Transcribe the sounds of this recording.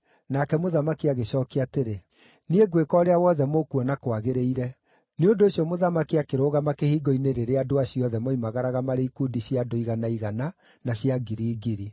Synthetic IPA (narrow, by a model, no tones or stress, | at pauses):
nakɛmoðamakiaɣeɕɔkeateɾe | nieɡwekɔɾeawɔðɛmokuɔnakwaɣeɾeiɾɛ | neondoːɕjɔmoðamakiakeɾoɣamakehiːɡɔineɾeɾeadoaɕiɔðɛmɔimaɣaɾaɣamaɾeikudiɕjadoiɣanaiɣana | naɕjaɡiɾiːɡiɾi